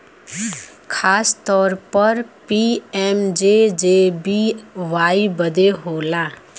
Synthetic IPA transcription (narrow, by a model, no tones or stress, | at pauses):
kʰaːst̪ɔːɾpəɾpiːɛːmd͡ʒeːd͡ʒeːbiːʋaːibəd̪eɦoːlãː